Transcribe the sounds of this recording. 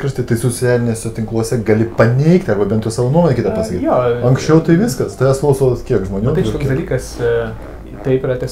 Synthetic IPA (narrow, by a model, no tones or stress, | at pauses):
ɾɪʃt̪ɐɪt̪ɐɪsot͡sʲɪjʲæːlʲɪnʲeːsʲɛt̪ʲɪŋklˠuɔsʲɛɡɐlʲɪpɐnʲɛɪkt̪ʲɐɾbɐbʲɛnt̪usɑːʋoːnuɔmonʲɛkʲiːt̪ɐppɐsɐkʲitjoːɐŋksʲt͡ʃʲɛʊt̪ɐɪʋʲɪskɐst̪ɐjɛsklˠɐʊsoːkʲiɛkʒmoːnʲuːt̪ɐɪk̪oksd̪ɐlʲiːkɐs | t̪ɐɪpiɾɐt̪ʲɐs